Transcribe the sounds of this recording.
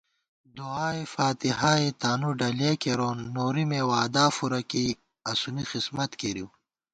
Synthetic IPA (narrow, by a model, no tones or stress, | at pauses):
d̪uaːifaːt̪ihaːet̪aːnuɖɐleːkeɾoːnːoːɾimewaːd̪aːfuɾɐki | ɐsunixismɐt̪keɾiw